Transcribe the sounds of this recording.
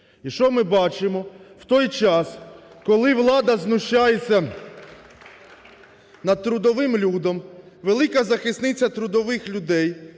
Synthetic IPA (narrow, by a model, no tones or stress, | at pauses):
iʃt͡ʃɔmɪbɑt͡ʃɪmɔwt̪ɔjt͡ʃɑs | kɔlˠɪʋlˠɑd̪ɐznʊʃt͡ʃajet͡sʲːɐ | nɐd̪̚t̪ɾʊd̪ɔʋɪmlʲud̪ɐmʋelˠɪkɐzɐxɪsnɪt͡sʲːɐt̪ɾʊd̪ɔʋɪxlʲʊd̪ɛj